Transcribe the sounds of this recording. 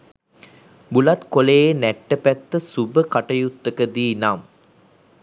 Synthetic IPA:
bulɐt̪koleːenæʈːəpæt̪ːəsubəkaʈɐjut̪ːəkəd̪iːnam

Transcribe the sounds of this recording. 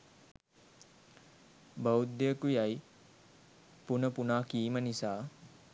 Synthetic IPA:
bawd̪əəkujaj | punəpunaːkiːmənisaː

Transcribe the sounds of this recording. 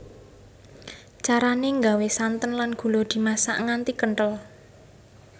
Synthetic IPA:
t͡ʃaɾaneŋɡawesant̪ənlanɡ̥ṳlod̪̥i̤masa̰ʔŋant̪ikəɳʈəl

